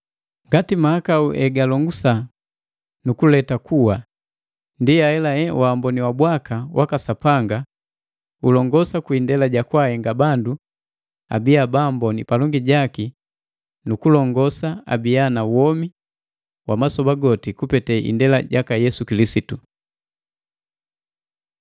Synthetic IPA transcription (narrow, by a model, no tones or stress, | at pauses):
ŋɡatimahakauʔɛɡalɔŋɡusa | nukulɛtakuwa | ndiaɛlaɛwʔaːmbɔniwabwakawʔakasapaŋɡa | ulɔŋɡɔsakwindɛlaɟakwahɛŋɡabandu | a̰biabaːmbɔnipalɔŋɡiɟaki | nukulɔŋɡɔsaa̰bianawɔmi | wʔamasɔbaɡɔtikupɛtɛʔḭndɛla̰ɟakajɛsukilisitu